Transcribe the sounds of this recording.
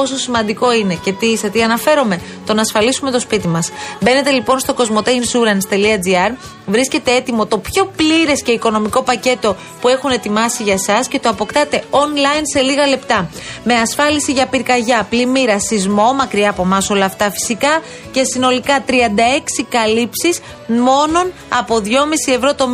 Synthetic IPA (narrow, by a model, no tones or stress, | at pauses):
po̞so̞simɐnd̪iko̞ine̞ce̞t̪isɐt̪iɐnɐfe̞ɾome̞ | t̪o̞nɐːsfɐlisume̞t̪o̞spit̪imɐsbe̞ne̞t̪e̞lipo̞nst̪oko̞zmo̞t̪einsuɾɐnst̪e̞liɐd͡ziɐɾ | vɾisce̞t̪e̞e̞t̪imo̞t̪o̞pço̞pliɾe̞sce̞iko̞no̞miko̞pɐce̞t̪o̞ | pue̞xune̞t̪imɐsiʝɐsɐsce̞t̪oɐpo̞kt̪ɐt̪e̞onlɐjnse̞liɣɐle̞pt̪ɐme̞ɐsfɐlisiʝɐpiɾkɐʝɐplimiɾɐsizmo̞mɐkɾiɐːpo̞mɐso̞lɐːft̪ɐfi̥sikɐ | ce̞sino̞likɐt̪ɾiɐnd̪ɐe̞ksikɐlipsis | mo̞no̞n | ɐpo̞ðʝo̞misie̞vɾo̞t̪o̞m